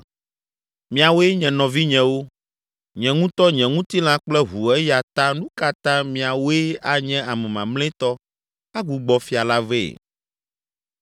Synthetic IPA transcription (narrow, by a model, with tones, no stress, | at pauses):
mĩ˦˨a˨wo˦e˦ɲɛ̃˨nɔ̃˨vi˦ɲɛ̃˨wo˦ | ɲɛ̃˨ŋũ˦t̪ɔ˦ɲɛ̃˨ŋũ˦t̪i˦l̃ã˦k͡plɛ˦ɦu˨ɛ˦ja˨t̪ã˦nũ˦ka˨t̪ã˦mĩ˨a˨wo˦e˦a˦ɲɛ̃˦a˨mɛ̃˨mã˨ml̃ɛ̃˦t̪ɔ˦ | a˦ɡu˨ɡ͡bɔ˨fi˦a˨la˦vḛ˦˨